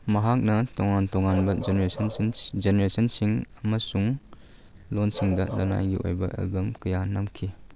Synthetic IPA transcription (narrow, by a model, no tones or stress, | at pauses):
mɐɦak̚nɐtɔŋantɔŋanbɐzeneɾesʰɐnnd͡ʒeneɾesɐnsiŋɐmɐsuŋ | lonsiŋdɐnɐna̰jɡḭo̰jbɐ̰ʔḛlbɐmkɐjanɐmkʰi